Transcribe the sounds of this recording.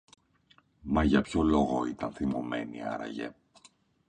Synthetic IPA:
mɐʝɐpço̞lo̞ɣoit̪ɐnθimo̞me̞niɐ̰ɾɐ̰ʝe̞̰

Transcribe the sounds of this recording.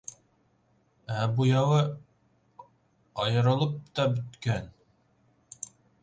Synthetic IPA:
æbujɑwɤ | ɑjɤ̆ɾɤ̆lˠɤp̚t̪ɑbɵ̆t̪kæn

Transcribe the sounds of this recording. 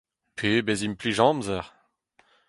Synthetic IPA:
pʰebɛzimpliʒɑ̃mzɛʁ

